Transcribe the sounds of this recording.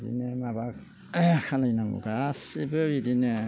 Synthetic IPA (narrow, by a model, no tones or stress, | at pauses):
dḭnemabak̚ | kʰanajnaŋṵɡasibɯɾidine